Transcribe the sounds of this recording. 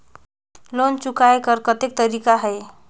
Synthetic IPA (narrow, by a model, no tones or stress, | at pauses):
lont͡ʃukajkəɾkət̪ek̚t̪əɾikaɦej